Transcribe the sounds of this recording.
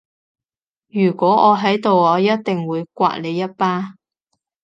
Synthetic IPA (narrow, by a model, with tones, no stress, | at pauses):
jyː˨˩kʷɔː˨˥ɔː˨˧ɦɐ˨˥jt̪o˨wɔː˨˧jɐ˥t̚t̪ɪ˨ŋwuː˨˧jkʷa̰ː˧˥t̚le˨˧jːɐ˥t̚paː˥